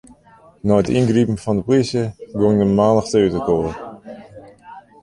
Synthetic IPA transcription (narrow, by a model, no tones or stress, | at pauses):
nɔətinɡripən̩fɔndəprisjəɡoŋdəmaːnəxtəytəkoːr